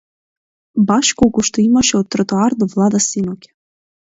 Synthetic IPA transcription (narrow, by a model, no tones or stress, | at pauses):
bɑɕkolkoʃt̪oimaʃeot̪ːrot̪oard̪ovlˠɑd̪asinokʲ